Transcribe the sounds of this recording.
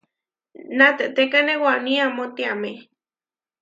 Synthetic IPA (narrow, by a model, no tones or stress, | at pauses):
nat̪eʔt̪ekanewanĩamot̪iame